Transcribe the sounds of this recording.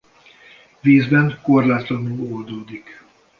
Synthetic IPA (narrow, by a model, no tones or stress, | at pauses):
viːzbɛŋko̞rlaːt̪lɒnuːold̪oːd̪ik